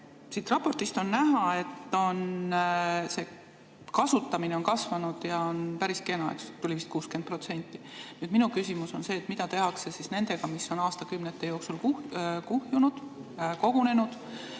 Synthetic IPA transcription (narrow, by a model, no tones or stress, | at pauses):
sit̪rɑpːo̞rt̪ist̪o̞nːæɦɑe̞t̪ːo̞n | se̞ː | kɑsut̪ːˑɑmineo̞nkɑsvɑnud̪̥jɑonpæɾiske̞nɑḛkst̪ulʲivist̪̚kuːske̞npro̞t̪se̞nʲt̪ːˑi̥nyːd̪̥minukysʲimuso̞nse̞ːt̪ːmid̪̥ɑt̪e̞ɦɑkse̞sisne̞nd̪e̞ɡ̥ɑmisːo̞nɑːst̪ɑkymnet̪ːe̞jo̞ːksulkukuhjunud̪̥ko̞ɡ̥une̞nud̪̥